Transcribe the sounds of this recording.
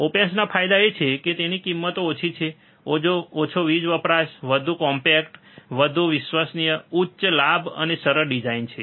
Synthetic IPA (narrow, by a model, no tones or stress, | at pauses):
opensnapʰajd̪aet͡ʃʰeket̪enikimːət̪oːt͡ʃʰit͡ʃʰe | od͡ʒoot͡ʃʰoʋid͡ʒʋəpɾaʃʋəd̪ʱukɔmpɛkʈ | ʋəd̪ʱuʋɪʃʋasnijəutːʃlabʱə̰nesəɾəɾɖid͡ʒaint͡ʃʰe